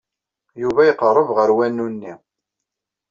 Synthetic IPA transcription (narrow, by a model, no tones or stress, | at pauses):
juvæjəqərˤːəvʁəɾwænːunːi